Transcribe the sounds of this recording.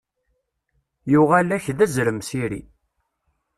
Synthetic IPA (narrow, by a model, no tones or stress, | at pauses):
juʁælæçðæzɾəmsiɾḭ